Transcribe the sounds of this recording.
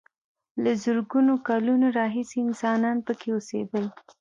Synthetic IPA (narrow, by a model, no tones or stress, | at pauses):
lazʊɾɡunokɑlunoɾɑɦiseɪnsɑnɑnpəkʰeosḛd̪əl